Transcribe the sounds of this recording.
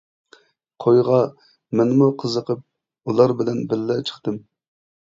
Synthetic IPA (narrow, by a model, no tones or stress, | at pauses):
qʰojʁɑ | mɛnmuqʰəzəqʰəp̚ | ulˠɑɾbɪlɛnbɪɾːɛt͡ʃʰə̥χt̪ɨm